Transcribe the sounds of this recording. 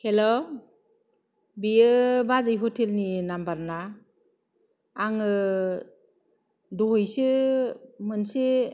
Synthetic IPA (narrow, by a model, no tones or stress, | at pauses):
helɔ | bijɯbazɯjɦɔtʰelninambaɾna | aŋɯ | dɔɦɯjsɯ | mɯnsi